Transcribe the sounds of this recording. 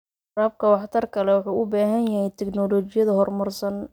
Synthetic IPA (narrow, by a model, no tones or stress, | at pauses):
raːb̚kʰɐwɑħt̪ʰɐrkʰɐlɛwɑħuːʔʊbaːɦɐnjɐhɛjt̪ʰɛknɔːlɔːt͡ʃɪjɐðɐɦɔrmɐrsɐn